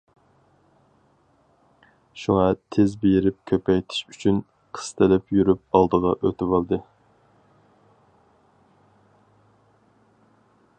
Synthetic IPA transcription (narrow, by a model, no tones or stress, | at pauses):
ʃuŋɑt̪ʰezbejɾɪp̚kʲʰøpɛjt̪ʰɪ̥ʃyt͡ʃʰyn | qʰə̥st̪ʰɪlɛpjyɾyp̚ɑlˠd̪əʁɑʔøt̪ʰɪvɑlˠd̪ɨ